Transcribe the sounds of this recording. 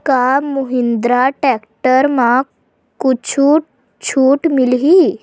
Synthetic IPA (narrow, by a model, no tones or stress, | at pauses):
kamuɦind̪ɾaʈɛkʈəɾmã | kut͡ɕʰuːʈ̚ | t͡ɕʰuːʈmilɦi